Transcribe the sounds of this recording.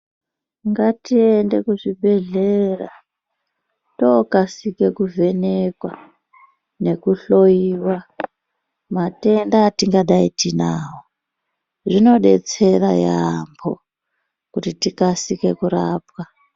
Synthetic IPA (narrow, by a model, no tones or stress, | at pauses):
ŋɡatiende̞kuʐibʱe̞ɮera̰ | tokasike̞kuvʱe̞nekwa̰ | ne̞kuɬo̞jiːwa | mate̞ndaːtiŋɡaɗaitinaːwo | ʐino̞ɗe̞̰t͡se̞rajambʰo̞ | kutitikasike̞kuɾaːpwa